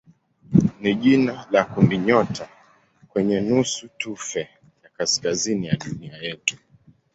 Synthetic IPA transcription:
niʄinalakundiɲɔtʰa | kwɛɲɛnusutufɛ | jakaskazinijaɗuniajɛtu̥

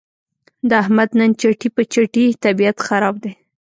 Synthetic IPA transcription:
d̪əahmad̪nənt͡ʃaʈipət͡ʃaʈit̪abiat̪xaɾɑb̚d̪e

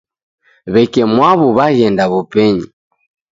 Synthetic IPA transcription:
βɛkɛmwaβuβaɣɛndaβɔpɛɲi

